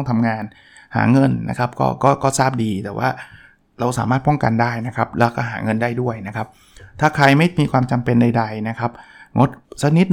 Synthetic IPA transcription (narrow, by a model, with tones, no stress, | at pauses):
ŋt̪ʰa˧mŋaː˧n | ha̰ː˩˦ŋɤ˧nna̰˦˥kʰa˦˥p̚kɔ̰ː˥˩kɔː˥˩kɔː˥˩saː˥˩p̚diː˧t̪ɛː˨˩wʔa̰ː˥˩ | ɾa˧wsa̰ː˩˦maː˥˩pɔ˥˩ŋka˧ndaː˥˩jna˦˥kʰa˦˥p̚lɛː˦˥wkɔː˥˩ɦaː˩˦ŋɤ˧ndaː˥˩jdu˥˩əjna˦˥kʰa˦˥p̚ | t̪ʰaː˥˩kʰɾa˧jma˥˩jmiː˧kʰwaː˧mt͡ɕa˧mpe˧nda˧jda˧jna˦˥kʰa˦˥p̚ŋo˦˥t̪̚sa˦˥k̚ni˦˥t̪̚